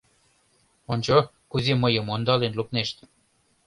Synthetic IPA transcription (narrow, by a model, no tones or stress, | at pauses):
onʲt͡ɕo | kuzimɤjɤ̆mond̪ɑlenlupneʃt̪ʲ